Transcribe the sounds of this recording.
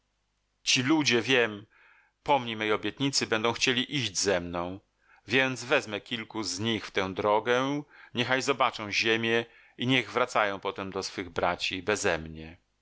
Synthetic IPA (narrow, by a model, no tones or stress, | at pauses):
t͡ɕilud͡ʑɛvʲjɛm | pɔmɲemɛjɔbʲjɛt̪̚ɲit̪sɘbɛnd̪ɔ̃w̃xt͡ɕelʲiʔiʑd͡ʑzɛmnɔ̃w̃ | vʲjɛnd̪zvɛzmɛkʲilkuzɲixft̪ɛ̃w̃d̪ɾɔɡɛɲɛxajzɔbat͡ʂɔ̃w̃ʑemʲjɛ | iɲɛɣvɾat̪sajɔ̃w̃pɔt̪ɛmd̪ɔsfɘɣbɾat͡ɕibɛzɛmɲɛ